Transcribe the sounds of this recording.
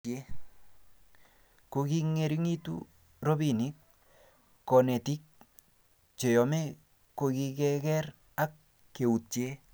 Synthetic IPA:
e˦ | ko˨kiŋe˨ɾi˦ŋi˦tṵ˦ | ɾo˦bini˦k̚ː | ɔ˨nɛ˨ti˦k̚ | t͡ʃe˨jɔ˨mɛ˦ | ko˧ki˦kɛ˦kɛ˦ɾ | a˦kː | e˨u˨tje˦

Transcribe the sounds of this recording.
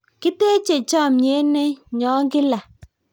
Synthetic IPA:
kɪ˦te˦t͡ʃe˨t͡ʃɔ˦˨mɲe˨˦ne˦ɲɔ˨˦ŋɡɪ˦la˨

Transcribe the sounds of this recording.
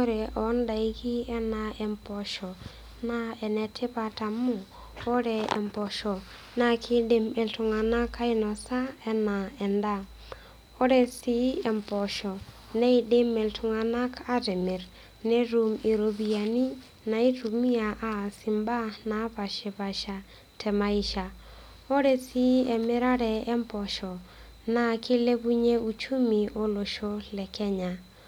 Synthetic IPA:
ko˦ɾɛ˨ʔɔ˨˦nda˨i˦ki˦ɛ˦na˨ʔɛ˨mpɔ˨ʃɔ˨ | na˦ɛ˨nɛ˨tʰe˦pa˨ta˨mu˦ | ɔ˦ɾɛ˨ɛ̰˨mpɔ˨ʃɔ˨ | na˦kʰɪ˦de˦mɛ˨ltu˨ŋa˨na˦ka˦i˦nɔ˨sa˦ɛ˦na˨ɛ˨nda˦˨ | ɔ˦ɾɛ˨si˦ɛ˨mpɔ˨ʃɔ˨ | nɛ˦i˦de˦mɛ˨ltu˨ŋa˨na˦kʰa˦tɛ˨mɪ˨ɾ | ne˦ɾu˨me˨ɾo˨bi˨a˨ni˦ | na˨i˦tu˨mi˦a˨ʔaː˦˨si˨mba˦naː˨˦pa˨ʃɛ˨pa˨ʃa˨ | tʰɛ˨ma˦i˦ʃa˨ | o˦ɾe˨si˦ɛ˨mɪ˦ɾa˦ɾɛ˨ɛ˦mpɔ˨ʃɔ˨ | na˨kʰɪ˦le˦bu˦ɲe˦u˨t͡ʃu˦mi˨ʔo˦lo˨ʃo˦lɛ˨kɛ˦ɲa˨

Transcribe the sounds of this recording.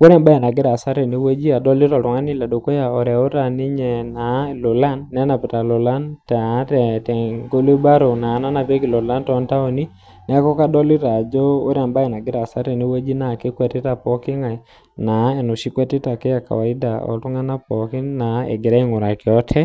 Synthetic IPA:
ko˦ɾɛ˨mba˦jɛ˨na˨ɡɪ˦ɾa˨sa˦ɾɛ˨ni˦wɛ˦d͡ʒi˦a˨dɔ˦li˦ɾɔ˨tu˨˦ŋa˦ni˦la˨do˨ko˦ja˨ɔ˨ɾɛ˨o˦ɾa˨ni˦ɲɛ˨na˨lo˨la˦nːɛ˦na˨pɛ˨ta˨lo˨la˦nta˨˦tɛ˨tɛ˨ŋɡo˦le˦ba˦ɾo˨na˨˦na˦na˨pe˦ki˨lo˨la˦ntɔ˦nta˦o˨ni˦ | nɛ˦kɔ˦ka˦dɔ˦li˦ɾa˨d͡ʒɔ˦o˦ɾa˨mba˦jɛ˨na˨ɡɪ˦ɾa˨sa˦ɾɛ˨ni˦we˦d͡ʒi˦na˨ke˦kwɛ˨ti˦ta˨pɔ˦ki˦ŋa˨ | na˨e˨nu˨ʃi˦kwɛ˦ti˦ta˨ke˦a˨ka̰˨wa˨i˦da˨ɔ̰˨tu˦ŋa˦na˦pɔ˨ki˦na˨ḛ˨ɡe˨ɾa˦i˦ŋo˨ɾa˨kɪ˨ɔ˦tʰɛ˦

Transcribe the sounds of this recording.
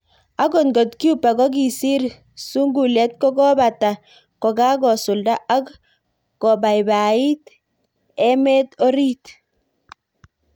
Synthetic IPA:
a˦ɡɔ˦˨nɡɔ˨tki˦u˦pa˨ɡɔ˦ɡi˨si˦ɾ | su˦ŋɡu˨lɛ˦t̪̚kɔ˦ɡɔ˦ba˨ta˨ | kɔ˨ɡa˦ɡɔ˨sʊ˨lda˦ʔa˦kː | ɔ˨ba˨jba˨i˦t̪ | ɛ˦mɛ˦t̪ɔ˦ɾi˦t

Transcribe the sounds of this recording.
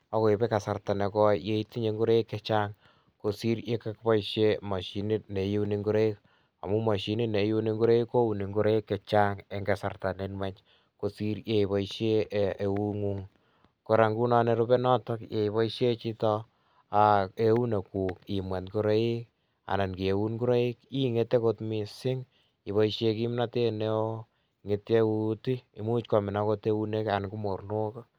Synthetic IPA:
ɔ˦ko˨i˨be˦ka˨sa˨rta˨ne˨kɔ˦je˦i˦ti˦ɲe˨ŋɡu˦ɾe˦i˦kːe˦t͡ʃa˦ŋ | ko˨si˦ɾe˦ka˦kbɔ˦iʃe˦mɔ˨ʃi˨ni˦t̚ne˨ju˦u˦ni˨ŋɡu˦ɾe˦i˦k | a̰˨mu˦mɔ˨ʃi˨ni˦ne˨ju˦ni˦ŋɡu˦ɾe˦i˦kːo˦u˨ni˨ŋɡu˦ɾe˦i˦kːe˨t͡ʃa˦ŋe˨ŋɡe˨sa̰˨rta˨ne˨˦nmɛ˦t͡ʃ | ko˨si˦ɾje˨i˨βɔ˨iʃe˦e˨u˦ŋu˦ŋ | ko˨ɾa˨ŋɡu˦nɔ˦ne˦ɾu˦be˦nɔ˦tɔ˦kje˨i˨βɔ˦iʃe˦t͡ʃi˦tɔ˦ | a˨e˦u˦ne˨ku˨ki˨mwa˨ntku˦ɾe˦ɪ˦k | a̰˨na˨nki˨e˨u˦nku˦ɾe˦i˦ki˦ŋe˦te˦kotmi˨sɪ˦ŋ | i˨βɔ˨˦iʃe˦ki˦mna˦te˦ne˦o˦ | ŋe˦te˦u˦ti˦i˨mu˦t͡ʃkɔ˨mɪ˨na˦ko˦te˦u˦ne˦ka˨nku˦mo˨rno˦ka˦

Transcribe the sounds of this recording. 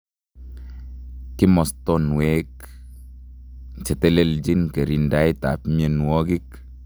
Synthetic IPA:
kɪ˦mɔ˨stɔnwek | t͡ʃɛ˨tɛ˦le˦ld͡ʒi˦nkɛ˨ɾi˨nda˦jta˨pmɛ˨nwɔ˦ɡi˦k̚

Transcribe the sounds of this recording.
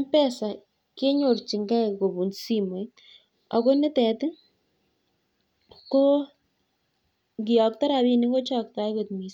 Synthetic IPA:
mpɛ˦sa˨ | ke˦ɲo˨rt͡ʃi˨ŋɡa˦ko˨bu˨nsi˦mo˨j | ɔ̰˨ko˦nɛ˦tɛ˨tɪ˦ | ko˦ | kɪ˨jɔ˨k̚tɔ˦ɾa˨bi˦ni˦ŋɡo˦t͡ʃɔ˦k̚ta˨jko˨tmi˨s

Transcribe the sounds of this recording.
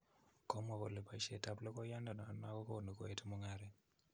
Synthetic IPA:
kɔ˦mɔ˨βɔ˨le˨pa˨ʃe˨ta˨plɔ˦kɔ˦ja˦nda˨na˨na˦kɔ˦ko˦˨ni˨kɔ˨e˦tʰu˦mu˦ŋaɾɛ˨

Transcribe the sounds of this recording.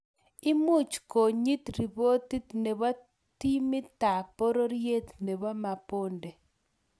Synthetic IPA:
i˦mu˦˨t͡ʃko˨ɲi˦tɾi˨βo˦ti˦tne˨βa˦ | ti˦mi˦ta˨po˦ɾo˦ɾje˦tne˨βa˦ma˨po˦nde˨

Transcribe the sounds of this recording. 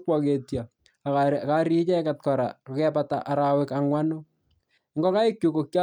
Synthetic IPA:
kwake˨tja˨ | kaɾi˦t͡ʃɛ˦kat̚kɔ˨ɾa̰˨kokɛpata̰ʔa˨ɾawɪkaŋwa˦no˦ | ŋɡɔ˦ka˦ɪ˦kju˨kokja

